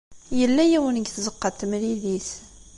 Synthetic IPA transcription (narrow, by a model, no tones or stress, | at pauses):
jəlːæjæwənəɡθzəqːɑt̪ːəmɾiðiθ